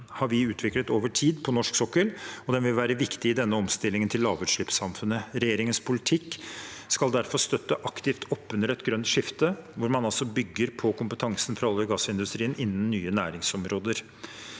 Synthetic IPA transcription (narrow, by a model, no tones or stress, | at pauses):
hɑɾʋɪʉːt̪ʰʋɪklət̪oːʋəʈʰiːd̪pʰɔnɔʂksɔkːəlɔd̪ɛnʋɪlʋæːɾəʋɪkt̪ɪɪd̪ɛnːəɔmst̪ɪlːɪŋənt̪ʰɪllːɑːʋʉt̪ʂɭɪpsɑmfʉnːəɾɛjeːɾɪŋənspʰʊlɪt̪ʰɪkːskɑld̪æɾfɔɾst̪œt̪ːəʔɑkt̪ɪft̪ʰɔpːʉnəɾɛt̪ɡɾœnt̪ʂɪft̪əʋʊɾmɑnɑlsɔbʏɡːəɾpʰɔkʰʊmpət̪ʰɑŋsən̩fɔɾɑlːəɡɑsɪnd̪ʉst̪ɾiːənɪnːn̩ːyːənæːɾɪŋsɔmɾoːd̪əɾ